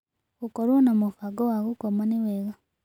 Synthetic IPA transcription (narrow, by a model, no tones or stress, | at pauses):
ɣukoɾwonamufaɡowaɣukomaniweɣa